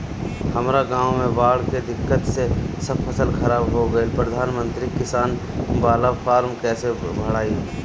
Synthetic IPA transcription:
hɐmɾaɡãːwmẽbaːɽked̪ɪkːət̪sesəbpʰəsəlxɐɾaːbɦoɡɐepɾəd̪ʱaːnmə̃nt̪ɾikɪsaːn | baːlafaːɾmkɛːsebʱəɽ̤aːi

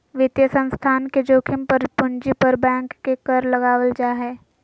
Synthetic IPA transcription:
ʋɪt̪jəsə̃nst̪ʰaːnked͡ʒoːkʰɪmpəɾpʊnd͡ʒipəɾbɛ̃ːŋkːekəɾlɐɡaːʋəld͡ʒaːɦɛː

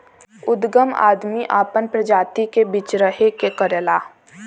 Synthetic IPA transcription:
ʊd̪ɡəma̰ːd̪miʔaːpənpɾəd͡ʒaːt̪ikebiːt͡ʃɾəɦekekəɾelaː

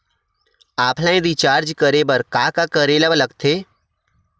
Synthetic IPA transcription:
aːpʰlãːẽd̪iːt͡ʃaːɾd͡ʒkəɾeːbəɾkaːkakəɾeːlaʋələɡt̪ʰeː

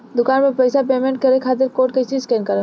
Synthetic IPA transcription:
d̪ʊkaːnpepɐɪsapeːmẽɳʈ̚kɐɾekʰaːt̪̬ɪɾkoːʈket͡ʃiskɛːnkɐɾe

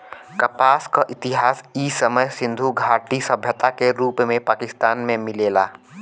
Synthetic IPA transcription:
kɐpaːskaʔɪt̪ɪɦaːsiːsəməjsɪ̃nd̪ʱuɡʱaːʈisəbʱjət̪akeɾuːpmẽpaːkɪst̪aːnmẽmɪleːlaː

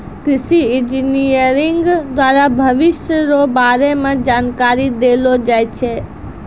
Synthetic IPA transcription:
kɾɪsiɪ̃nd͡ʒinijəɾɪ̃ŋɡd̪waːɾabʱəʋɪʃjəɾobaːɾemãd͡ʒaːnkaːɾid̪elod͡ʒaːjt͡ʃʰe

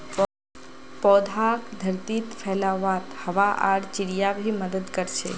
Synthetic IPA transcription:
pɔːd̪ʱaːkd̪ʱəɾt̪it̪fʰɛːlaʋaːt̪hɐʋaʔa̰ːɽt͡ʃɪɽijabʱiməd̪əd̪kəɾt͡ʃʰḛ

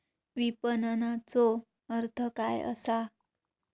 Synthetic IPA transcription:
ʋipənənat͡sɔ | əɾt̪ʰəkajə̰sa

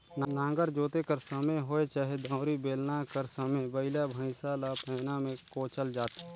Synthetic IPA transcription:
nnãːŋɡəɾd͡ʒoːt̪ekəɾsəmeɦoːet͡ʃaːɦed̪ʱɔ̃ːɾibeːlnakəɾsəmebəɪlabʱə̃ɪsalapɛːnamẽkoːt͡ʃəld͡ʒaːt̪ː

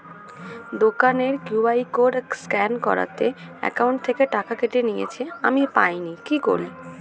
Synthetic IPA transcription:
d̪okaneɾkjubajkoɖskɛnkɔ̰ɾa̰t̪e | ɛ̰kawɳʈt̪ʰekeʈakakeʈenijḛt͡ɕʰeamipajnikiko̰ɾli

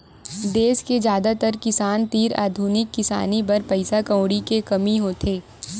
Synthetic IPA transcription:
d̪eːsked͡ʒjaːd̪at̪əɾkɪsaːnt̪iːɾa̰ːd̪ʱuːnɪkːɪsa̰ːnibɐɾpɐɪsakɐ̃ːɽikekɐmiɦoːt̪ʰeː

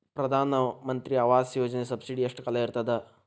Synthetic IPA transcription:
pɾɐd̪ʱaːnɐmɐnt̪ɾiɐʋaːsjoːd͡ʒɐnesɐbsiɖiɐʂʈkɐlɐiɾt̪ɐd̪ɐ

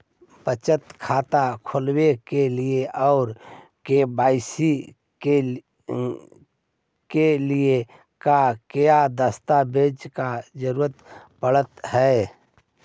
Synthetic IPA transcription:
pət͡ʃət̪kʰaːt̪akʰʊlwekelieʔɔʊɾ | kebaːɪsi | e | kelie | kakejad̪əst̪abeːd͡ʒkad͡ʒəɾuɾət̪pəɽət̪hɛː

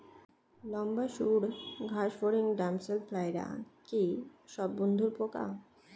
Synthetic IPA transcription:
lɔmbaʃuɽɡʱaʃfoɾiŋɖamselfʰlajɾa̰kiʃɔbːond̪ʱuɾpoka̰

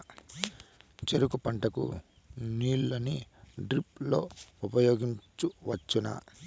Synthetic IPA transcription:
t͡ʃeɾukupɐɳʈɐkṵ | niːllɐniɖɾip̚lo̞ːupɐjo̞ːɡiɲt͡ʃuʋɐt͡ʃːunɐ̰

